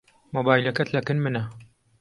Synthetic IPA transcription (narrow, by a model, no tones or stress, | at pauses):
mobaːjlɐkɐt̪ʰlɐkɨnmɨnɐ